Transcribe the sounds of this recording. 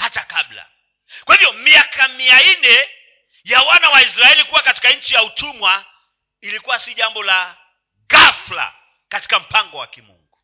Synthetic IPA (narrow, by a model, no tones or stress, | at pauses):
hatakabla̰ | kwahivjɔmiakamiainɛ | jawanawaisɾaɛlikuwakati̥kaɲ̩t͡ʃijautumwa | ilikuwasiʄambɔla | ɣafla̰ | kati̥kam̩paŋɡɔwa̰kimṵŋɡu